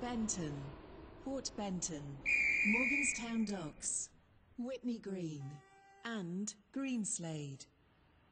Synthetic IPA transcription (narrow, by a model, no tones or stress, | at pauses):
b̥ɛ̃ntʰə̃npʰɔˑʔb̥ɛ̃ntʰə̃nmɔːɡə̃nz̥tʰãʊ̃ndɒɡs | wɪʔniɡɹĩːnʔə̃nɡ̥ɹĩːnsleɪd̥